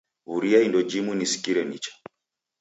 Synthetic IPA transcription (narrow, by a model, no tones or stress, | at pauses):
uɾiaindɔd͡ʒimunisi̥kiɾɛnit͡ʃḁ